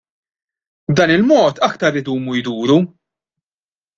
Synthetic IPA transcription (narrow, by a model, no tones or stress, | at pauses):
bd̪ɐːnɪlmɔːt̪ɐkt̪ɐɾɪd̪uːmujd̪uːɾu